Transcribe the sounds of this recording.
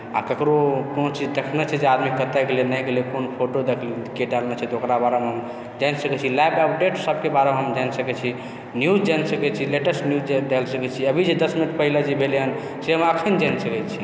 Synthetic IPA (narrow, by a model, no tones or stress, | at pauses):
a̰kəkɾokonot͡ʃid͡ʒd̪ekʰnɛt͡ʃʰɛd͡ʒead̪mikət̪ɛɡelenajɡelekonpʰoʈod̪ekʰlikeɖalnɛt͡ʃʰɛt̪ɔokɾabaɾemeɦəm | d͡ʒansəkɛt͡ʃʰilabəp̚ɖeʈsəbkebaɾemeɦəmd͡ʒansəkɛt͡ʃʰi | njud͡ʒd͡ʒansəkɛt͡ʃʰileʈəsnjud͡ʒd͡ʒd̪elsəkɛt͡ʃʰiəbʱid͡ʒed̪əsminəʈpəɦiled͡ʒebʱeleɦən | seɦəməkʰənd͡ʒansəkɛt͡ʃʰi